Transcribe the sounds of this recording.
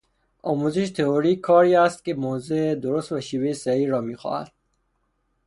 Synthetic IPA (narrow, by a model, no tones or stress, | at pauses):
ɒːmuzeʃet̪ʰeoɾiːkʰːɒːɾiːæst̪̚kemozed̪oɾost̪væʃiːvejesæiːɾɒːmiːxɔ̰hæ̰d̪̥̚